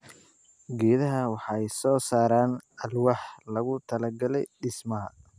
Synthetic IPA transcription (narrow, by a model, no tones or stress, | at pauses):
ɡɛːðɐɦɐwɑħɑɛjsɔːsaːɾaːnɐlwɑħlɐɣʊt̪ʰɐlɐɡɐlɛjɖɪsmɐɦɐ